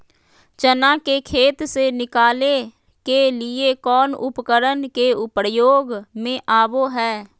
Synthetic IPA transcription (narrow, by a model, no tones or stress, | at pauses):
t͡ʃənãkekʰeːt̪senɪkaːle | kelɪekɔːnʊ̰pkəɾənkeʊpɾjoːɡmẽʔaːboɦɛː